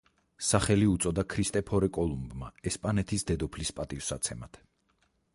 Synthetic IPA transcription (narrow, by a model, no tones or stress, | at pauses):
saχɛliut̪sʼɔd̪akʰɾist̪ʼɛpʰɔɾɛkʼɔlˠumbma̰ɛspʼanɛt̪ʰisd̪ɛd̪ɔpʰlispʼat̪ʼivsat̪sʰɛmat̪ʰ